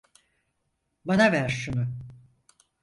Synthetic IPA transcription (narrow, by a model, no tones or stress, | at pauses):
banavæɾʃunʊ